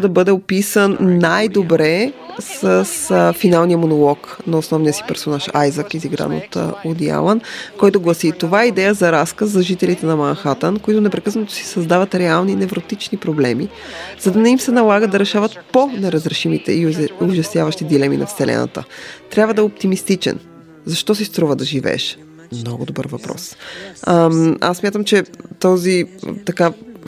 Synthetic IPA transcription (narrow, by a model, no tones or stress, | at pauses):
d̪ɐbɤd̪ɛopisənːajd̪obɾɛsəsfinalˠnijəmonolˠɔknɐosnɔvnijəsi̥pɛɾsonaʃa̰jzakiziɡɾa̰no̰t̪od̪ja̰lˠənkɔjt̪oɡlˠɐsit̪ovaɛid̪ɛjəzɐɾaskəszɐʒit̪ɛlit̪ɛnɐmanxat̪ənkoit̪ʊnɛpɾɛkɤsnət̪o̥si̥sɐzd̪avət̪ɾɛalˠninɛvɾot̪it͡ʃnipɾoblɛmi | z̥ɐd̪ɐnɛimsɛnɐlˠaɡəd̪ɐɾɛʃavət̪ponɛɾɐzɾɛʃimit̪ɛ̰iʊʒɐst̪javəʃt̪id̪ilɛmḭnʔɐ̰fsɛlɛ̰nə̰t̪ə̰t̪ɾʲabvəd̪ɐɛopt̪imist̪it͡ʃɛ̰n | zɐʃt̪ɔs̬ist̪ɾuvəd̪ɐʒivɛ̰ːʃ | mnɔɡʊd̪obɤ̰ɾvɐpɾɔ̰s | a̰sːmjat̪əmt͡ʃɛt̪ɔzḭt̪ɐka